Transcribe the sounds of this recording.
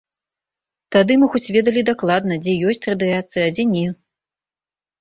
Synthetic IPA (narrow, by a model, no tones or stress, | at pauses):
t̪ad̪ɨmɨxɔt͡sʲvʲɛd̪ɐlʲid̪aklˠad̪nɐd͡zʲɛjɔsʲt͡sʲrɐd̪ɨjat̪sɨjɐːd͡zʲɛnʲɛ